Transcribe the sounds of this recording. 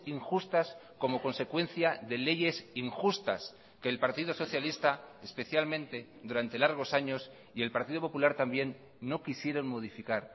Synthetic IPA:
iŋxust̪asko̞mo̞ko̞nse̞kwe̞nθjaðe̞le̞ʝe̞siŋxust̪a̰s | ke̞ːlpaɾt̪iðoso̞θjalist̪aespe̞θjalmẽ̞nt̪e̞ | ðuɾant̪e̞laɾɣ̞o̞saɲo̞s | ie̞lpaɾt̪iðo̞po̞pulaɾt̪ambje̞nː | o̞kisje̞ɾo̞nmo̞ð̞ifikaɾ

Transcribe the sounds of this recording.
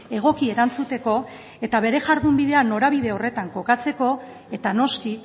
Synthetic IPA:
e̞ɣ̞o̞kie̞ɾant͡sut̪e̞ko̞ | e̞t̪aβ̞e̞ɾe̞ʝaɾðumbiðe̞ano̞ɾaβiðe̞o̞re̞t̪aŋko̞kat͡se̞ko̞ | e̞t̪ano̞ski

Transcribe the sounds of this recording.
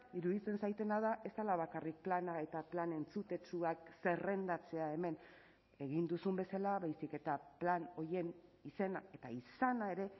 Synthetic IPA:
iɾuðit͡se̞nsajt̪e̞nað̞aʔe̞st̪alaβ̞akarik̚planae̞t̪aplane̞nt͡sut̪e̞t͡ʃuakse̞re̞nd̪at͡se̞ae̞me̞n | e̞ɣind̪usumbe̞salaβajsike̞t̪aplano̞je̞nise̞nae̞t̪aisanae̞ɾe̞

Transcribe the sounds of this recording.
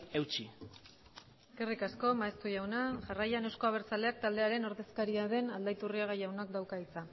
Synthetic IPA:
e̞wt͡ʃi | eskerikasko̞maest̪uʝawnaʝarajanewsko̞aβ̞e̞ɾt͡sale̞ak̚t̪ald̪e̞aɾe̞noɾðe̞skaɾiaðe̞nald̪ajt̪uriaɣ̞ajawnak̚d̪awkait͡sa

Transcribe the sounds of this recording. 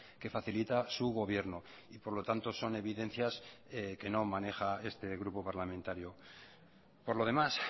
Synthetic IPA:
ke̞faθilit̪asuɣo̞β̞je̞ɾno | ipo̞ɾlo̞t̪ant̪o̞so̞ne̞βiðe̞n̟θjaseke̞no̞mane̞xae̞st̪e̞ɣ̞ɾupo̞paɾlamẽnt̪aɾjo̞ | po̞ɾlo̞ð̞e̞mas

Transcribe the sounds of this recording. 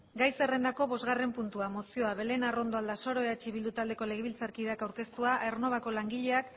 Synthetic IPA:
ɡajse̞re̞nd̪ako̞βo̞zɣare̞mpunt̪uamo̞sio̞aβe̞le̞naro̞nd̪o̞ald̪aso̞ɾo̞eat͡ʃiβild̪ut̪ald̪e̞ko̞le̞ɣeβilt͡saɾkiðakawɾke̞st̪uaʔerno̞β̞ako̞laŋɡiʎe̞ak

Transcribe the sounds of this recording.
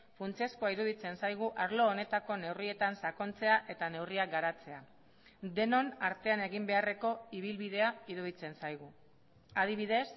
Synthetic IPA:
funt͡sieskoaiɾuð̞it͡se̞nsajɣ̞uʔaɾlo̞ːne̞t̪ako̞ne̞wrie̞t̪ansako̞nt͡se̞aʔe̞t̪ane̞wriaɡaɾat͡se̞a | d̪e̞no̞naɾt̪e̞ane̞ɣimbe̞are̞ko̞iβ̞ilβiðe̞aiɾuð̞it͡se̞nsajɣ̞u | að̞iβ̞iðe̞s

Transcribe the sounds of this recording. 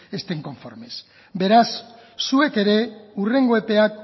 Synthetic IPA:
e̞st̪e̞ŋko̞ɱfo̞̰ɾme̞s | be̞ɾasː | ue̞ke̞ɾe̞ure̞ŋɡoe̞pe̞at

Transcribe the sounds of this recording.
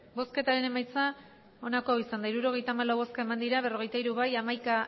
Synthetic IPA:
bo̞ske̞t̪aɾe̞ne̞majt͡sa | o̞nako̞isand̪aiɾuɾo̞ɣe̞jt̪aːmalawβo̞skae̞mand̪iɾaβe̞ro̞ɣ̞e̞jt̪aiɾuβajamajka

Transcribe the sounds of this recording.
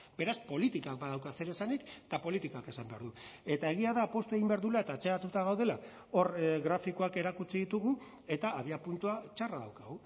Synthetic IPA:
be̞ɾaspo̞lit̪ikak̚baðawkase̞ɾesanikt̪apo̞lit̪ikake̞sambe̞aɾðue̞t̪ae̞ɣ̞iaðaːpo̞st̪ue̞ɣimbe̞aɾðulae̞t̪aːt͡se̞at̪ut̪aɣawðe̞la | o̞rɣɾafikoake̞ɾakut͡siðit̪uɣu | e̞t̪aːβiapunt̪uat͡ʃaraða̰wkaɣu

